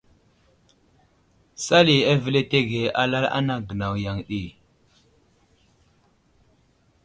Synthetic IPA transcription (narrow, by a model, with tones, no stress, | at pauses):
sa˦li˨a˦və˦le˦te˦ɡe˨a˦la˦la̰˦na˦ɡə˨na˨wja˨ŋɗi˦˨